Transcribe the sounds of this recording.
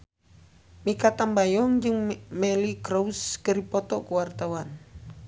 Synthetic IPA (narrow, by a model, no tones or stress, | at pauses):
mikat̪ambajɔŋd͡ʒɨŋmɛlikɾouskəɾipɔt̪ɔʔkuwart̪awan